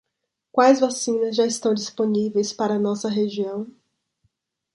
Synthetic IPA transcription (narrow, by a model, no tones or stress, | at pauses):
kwajzvasĩnɐzʒaɪst̪ɐ̃w̃d͡ʒisponivejspaɾɐnɔsɐɦeʒiɐ̃w̃